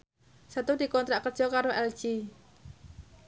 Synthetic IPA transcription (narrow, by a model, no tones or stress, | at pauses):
sat̪ud̪i̤kɔnt̪ɾaʔkər̥ʒ̥ɔkaɾoʔɛl̥d͡ʒ̥i